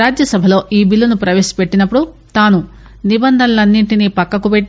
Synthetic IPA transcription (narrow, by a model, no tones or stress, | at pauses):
aːd͡ʒjɐsɐbʱɐlo̞ːʔiːbilːunupɾɐʋeːʃi̥peʈːinɐpːuɽu | t̪aːnu | nibɐnd̪ʱɐnɐlɐnːiɳʈiniːpɐkːɐkupeʈː